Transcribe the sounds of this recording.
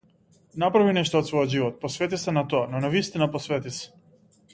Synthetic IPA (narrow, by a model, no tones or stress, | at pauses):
napɾavinɛʃt̪ɔːt̪svɔjɔd̪ʒivɔt̪̚pɔsvɛt̪isɛnat̪ɔanɔnavist̪inapɔsvɛt̪isɛ̥